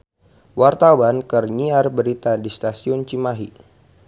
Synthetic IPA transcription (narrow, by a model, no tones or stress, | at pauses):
wart̪awankərɲiarbəɾit̪adist̪asiʊnt͡ʃimaɦi